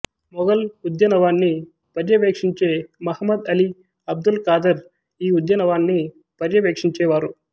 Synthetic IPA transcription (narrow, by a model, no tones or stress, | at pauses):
mɔɡɐlud̪jɐnɐʋaːnːi | pɐɾjɐʋeːkʂiɲt͡ʃeːmɐhɐmːɐd̪ɐli | ɐb̚d̪ulkaːd̪ɐɾ | iːud̪jɐnɐʋaːnːi | pɐɾjɐʋeːkʂiɲt͡ʃeːʋaːɾu